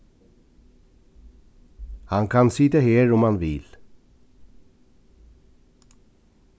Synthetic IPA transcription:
hɑŋkʰɑnsɪt̪əheːɹɔmɑnʋɪ̰l

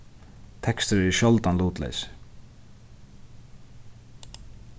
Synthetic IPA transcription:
t̪ʰɛkst̪əɾɛʃjɔlt̪anluːt̪lɛ̰ːs

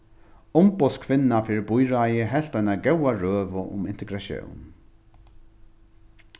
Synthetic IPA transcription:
ʊmbɔskʰvɪnːafiːɹbʊjɾajəɦɛɬt̪ajnaɡɛwaɹøːvʊʔʊ̰mɪnt̪ɪɡɾaʃjo̰wn

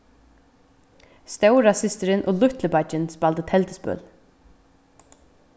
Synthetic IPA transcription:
st̪aʉɹɑsɪst̪əɾənʔo̰ːlʉt̪ʰləbɑd͡ʒənspɑlt̪ət̪ʰɛlt̪əspʉ̰l

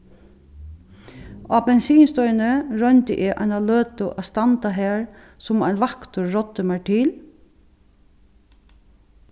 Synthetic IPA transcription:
abɛnsiːnst̪ɔʏnəɾœnt̪ɪ̰ʔɪʔa̰jnaløːt̪ʊʔa̰st̪ant̪aɦɛːɹ | sʊma̰jnʋakt̪ʊɹːɔt̪ːʏmɛʈʰɪl

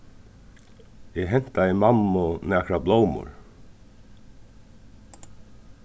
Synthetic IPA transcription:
jɛɦɛn̥t̪aimamːʊnɛːkɾabloːwmʊ̰ɹ

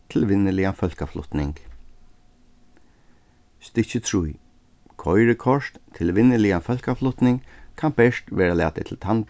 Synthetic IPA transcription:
t̪ʰɪlʋɪnːɪlɪafœlkaflʊ̰t̪nɪ̰ŋk | st̪ɪt͡ɕɪt̪ʰɹuj | kʰɔjɾɪkʰɔʂt̪t̪ʰɪlʋɪnːɪlɪafœl̥kaflʊt̪nɪŋkkʰanbɛʂt̪ʋɛːɾalɛ̰ːt̪ɪt̪ʰɪlt̪ʰan

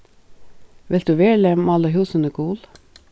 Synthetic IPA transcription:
ʋɪlt̪ʉːʋeːɭəmɑləɦuːsənəɡuːl

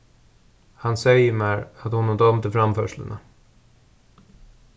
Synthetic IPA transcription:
hansɛjːəɾmæɾat̪hʊnːɔd̪ɔmt̪ɪfɾamfœːʂlə̰na̰

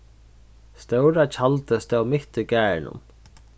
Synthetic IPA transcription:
st̪œwɾat͡ɕʰalt̪əst̪ɛwmɪht̪ʏkæːɻnʊ̰m

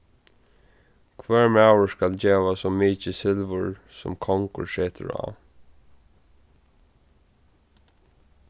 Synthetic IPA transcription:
kʰʋɛɹmaʊəskald͡ʒeːʋasɔmiːt͡ʃəsɪlʋʊɹsʊ̰mkʰɔŋkʊ̰seːt̪ʰə̰ɹa̰ː

